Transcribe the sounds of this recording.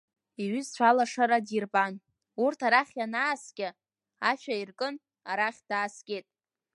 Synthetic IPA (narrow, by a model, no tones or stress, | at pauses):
iɥyzt͡ʃʷʰalaʂaɾadirpʼan | urtʰaɾaχʲjanaːsɡʲa | aʃᶣairkʼɨn | aɾaχʲd̥aːskʲʼe̞tʼ